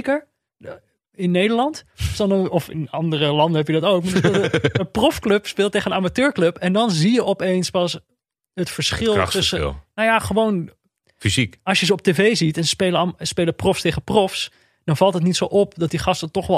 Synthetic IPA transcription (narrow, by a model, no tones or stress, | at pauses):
kəɹ | ɪnːejdəɹlɑntsɔnɔfɪ̰nɑ̰ndərəlɑndənɦɛpjədɑtowk̚maəprɔfklɵpspɪːlˠteχəndəaːmatøːɹklɵpɛndɑnzijəʔɔpejnspɑs | ətfəɹsχɪl̰ˠtəsəɪ̰lˠnojaχəʋown | fizikɑsjəzəɔp̚teːvejzitɛnəspeːləspeːləprɔfsteːχəprɔfs | d̥ɑnvɑlˠtɦət̬nitsowʔɔpdɑt̚diχɑstətɔχʋɛ